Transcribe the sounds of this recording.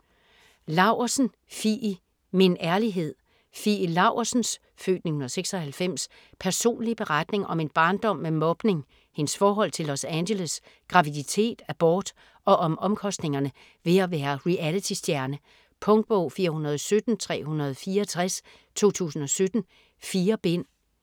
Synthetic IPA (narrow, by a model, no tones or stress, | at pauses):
lɑ̈ʊsn̩ | fi | minʔæɐliɦe̝ð̞̰ˠ | filɑ̈ʊsn̩s | fø̰ːd̥nihunɐðˠseɡ̥sɒ̽hælfem̰s | pʰæɐso̝̰ːnlib̥e̝ʁɑd̥ne̝ŋʔɒ̽me̝nb̥ɑ̈ːnd̥ɒ̽m̰memɒ̽b̥ne̝ŋ | he̝nsfɒːɦɒ̽l̰t͡sʰe̝lɒsænɕelos | ɡ̥ʁɑ̈ʋidit͡sʰe̝̰ːd̥æb̥ɒːd̥ | ɒ̽ʔɒ̽mɒ̽mkʰɒ̽sd̥ne̝ŋɐnə | ʋe̝æʋæːɐʁiʔælit͡sʰisd̥jæɐnə | pʰɔ̽ŋɡ̥̚b̥ɔʊ̰fiːɐhunɐð̞ˠɒ̽sød̥n̩t͡sʰʁɛ̰ːhunɐð̞ˠɒfiːɐːt͡sʰʁas | t͡sʰo̝̰ːt͡sʰṵːsn̩ɒ̽sød̥n̩ | fiːɐb̥en̰